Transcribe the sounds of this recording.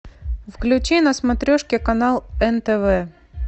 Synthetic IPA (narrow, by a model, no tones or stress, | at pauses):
fklʲʉt͡ɕinɐsmɐt̪ɾʲoʂkʲɪkɐnalˠɛnt̪ɛvɛ